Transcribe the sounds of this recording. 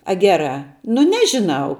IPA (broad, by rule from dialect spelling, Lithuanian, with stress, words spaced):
ɐ ˈɡʲæːrɑː nʊ ˈnʲæːʒʲɪˌnɐʊ